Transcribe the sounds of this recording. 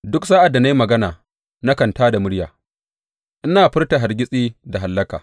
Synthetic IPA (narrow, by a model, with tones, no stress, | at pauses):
dʊ˦ksaː˦ʔa˨dːa˨na˦ji˦mɐ˨ɡɐ˦naː˨ | na˦kɐ˨ntaː˦da˨mʊ˦ɽja̰ː˨ | ʔɪ˦naː˨ɸɪ˦rta˨ɦa˨rɡʲɪ˦sʼiː˦da˨ɦa˨lːɐ˦kaː˨